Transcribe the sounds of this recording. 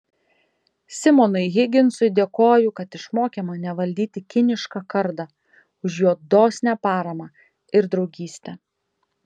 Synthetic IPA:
sʲɪmɔnʊɪɣʲɪɡʲɪnsʊɪd̪ʲeːkoːjʊkɐt̪ɪʃmoːkʲɛmɐnʲɛʋɐlʲd̪ʲiːt̪ʲɪkʲɪnʲɪʃkɑkɐɾd̪ɑ | ʊʃjuːd̪oːsʲnʲæːpɑːɾɐmɑː | ɪɾd̪ɾɒʊɡʲiːsʲt̪ʲɛ

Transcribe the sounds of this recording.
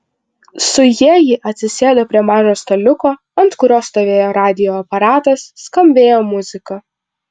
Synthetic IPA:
sʊjiɛjɪʔɐt̪ʲsʲɪsʲeːd̪oːpʲɾʲiɛmɑːʒoːst̪ɐlʲʊkoː | ɐnt̪kʊɾʲoːst̪oːʋʲeːjoːɾɑːd̪ʲɪjoːɐpɐɾɑːt̪ɐsːkɐmʲbʲeːjoːmʊzʲɪkɐ

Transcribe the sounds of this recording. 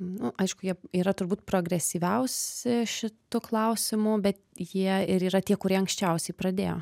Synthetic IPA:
nʊʔɐɪʃkʊjiɛiːɾɐt̪ʊrbuːt̪pɾoːɡɾʲɛsʲiːʋʲɛʊsʲɪʃʲɪt̪ʊklˠɐʊsʲɪmʊbʲɛt̪jiɛɪɾiːɾɐt̪ʲiɛkʊɾʲiɛɐŋksʲt͡ʃʲɛʊsʲɛɪpɾɐd̪ʲeːjo̰ː

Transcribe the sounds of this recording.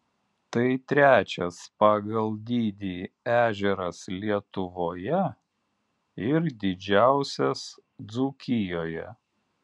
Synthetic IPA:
t̪ɐɪt̪ʲɾʲæːt͡ʃʲɛspɑːɡɐlˠd̪ʲiːd̪ʲiː | æːʒʲɛɾɐslʲiɛt̪ʊʋoːjɛ | ɪɾd̪ʲɪd͡ʒʲæˑʊsʲɛsd̪zuːkʲɪjoːjɛ̰

